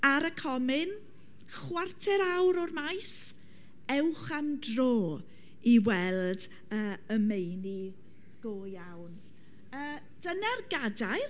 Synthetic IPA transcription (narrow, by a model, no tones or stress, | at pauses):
aɾəkʰɔmɪn | χwartʰɛɾawɾɔrmajs | ɛwχamdroː | iwɛlˠd | əːəmejni | ɡ̥oːjawn | əː | d̥ənarɡadaj